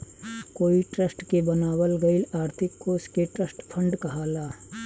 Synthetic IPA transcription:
koːiʈɾəsʈkebənaːwəlɡɐɪlaːɾt̪ʰɪkːoːskeʈɾəsʈpʰə̃ɳɖkɐɦaːlaː

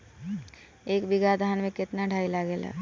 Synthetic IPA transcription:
eːkbɪɡad̪ʱaənmẽkɪt̪naɖʱaːilaɡela̰ː

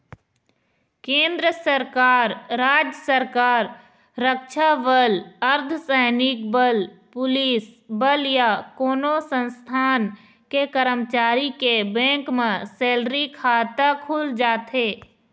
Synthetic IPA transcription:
kẽːnd̪ɾəsəɾkaːɾːaːd͡ʒjəsəɾkaːɾ | ɾəkʃabələɾt̪ʰsɛɦnɪkbəlpʊliːsbəljakoːnosə̃nst̪ʰaːn | kekəɾəmt͡ʃaːɾikebɛ̃ːŋkmẽseːlɾikʰaːt̪akʰuːld͡ʒaːt̪eː

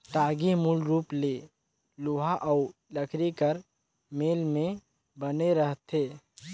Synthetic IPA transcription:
ʈaːɡimulɾuːpleː | lʊɦaʔɔʊləkʰɾekəɾ | meːlmẽ | bəneɾəɦt̪ʰeː

